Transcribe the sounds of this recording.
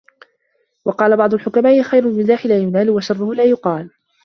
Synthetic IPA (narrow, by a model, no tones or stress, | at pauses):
wɑqɑːlabɑʕd̪ˤʊlħʊkamaːʔɪxajɾʊmɪzaːħɪlaːjʊnaːlʊwaʃɑrˤːʊhʊlaːjʊqɑːl